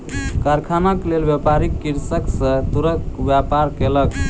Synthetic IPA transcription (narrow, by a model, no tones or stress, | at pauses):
kaɾkʰanaklelbjapaɾikːiɾsəksə̃t̪uɾəbjapaɾkelək